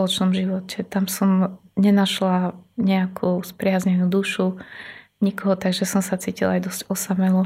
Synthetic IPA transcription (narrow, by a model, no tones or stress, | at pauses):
lɔt͡ʃnɔmʒiʋɔcɛt̪amsɔmɲɛnaʃlaɲɛakʰuspɾɪazɲɛnud̪uʃu | ɲikɔɦɔt̪aɡʒɛsɔmsat͡siːcilajd̪ɔzcɔsamɛlɔ